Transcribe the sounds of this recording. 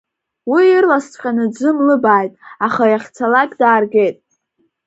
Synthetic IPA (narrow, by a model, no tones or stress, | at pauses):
wiirlast͡sʷʰʼqʲʼanɨd͡zʷɨmlɨbaːjtʼaχajaχʲt͡sʰalakʲʼdaːrɡʲe̞jtʼ